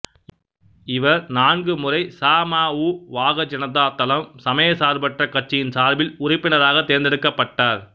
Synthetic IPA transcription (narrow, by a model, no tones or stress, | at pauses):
ɪʋɐɾnaːnɡɯmʊrɐɪsaːmaːuːʋaːɣɐd͡ʒɐnɐt̪aːt̪ɐlɐmsɐmɐjɐsaːɾbɐʈrɐkɐʈ̚t͡ʃːɪjɪnsaːɾbɪlʊrɪpːɪnɐɾaːɣɐt̪ːeːɾnd̪ɪɾɯkːɐpːɐʈːaːɾ